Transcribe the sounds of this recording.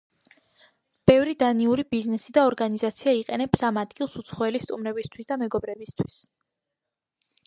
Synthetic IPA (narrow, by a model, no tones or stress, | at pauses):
b̥ɛvɾid̪aniuɾibiznɛsid̪aɔɾɡanizat̪sʰiaiqʼɛnɛpsamad̪ɡilˠsut̪sʰχɔɛlist̪ʼumɾɛbist̪ʰwisd̪amɛɡɔbɾɛbist̪ʰwis